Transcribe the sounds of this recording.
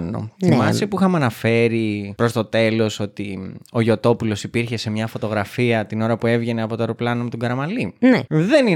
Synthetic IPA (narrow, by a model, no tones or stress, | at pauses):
no̰θimɐst̪epuixɐmɐnɐfe̞ɾipɾo̞st̪o̞t̪e̞lo̞so̞t̪io̞ʝo̞t̪o̞pulo̞sipiɾçe̞se̞mɲɐfo̞t̪o̞ɣɾɐfiɐt̪ino̞ɾɐpue̞vʝe̞neɐpo̞t̪oeɾoplɐnomet̪uɡɐɾɐmɐlineðe̞ni